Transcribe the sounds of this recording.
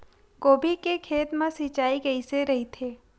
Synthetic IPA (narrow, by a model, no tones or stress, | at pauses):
koːbʱikekʰeːt̪mãsɪt͡ʃaːiɡɐiseɾɐɦit̪ʰeː